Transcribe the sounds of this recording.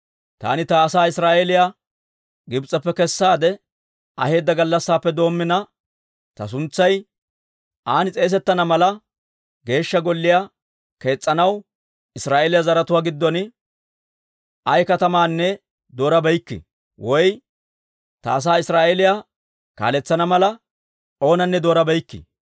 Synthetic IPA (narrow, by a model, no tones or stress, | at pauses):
t̪a̰ːnɪt̪ɐːsaːɪsɾaːʔelɪja | ɡɪbt͡sʼːɐpːɛkɛsːaːd̪ɛ | ɐhe̞ːd̪ːɐɡɐlːɐsːaːpːɛd̪o̞ːmːɪnɐ | t̪ɐs̬ʊnt͡sːɐj | ʔaːnɪt͡sʼe̞ːs̬ɛt̪ːɐnɐmɐlɐ | ɡe̞ːʃːɐɡɔlːɪja | ke̞ːt͡sʼːɐnɐw | ɪsɾaːʔelɪjazɐɾɐt̪ʊwaːɡɪd̪ːɔn | ʔɐjkɐt̪ɐmaːnːɛ | d̪o̞ːɾɐbɛjkːɪ̰ | wɔj | t̪a̰ːs̬aːɪsɾaːʔelɪja | ka̰ːlɛt͡sːɐnɐmɐlɐ | o̞ːnɐnːɛd̪o̞ːɾɐbɛjkːɪ̰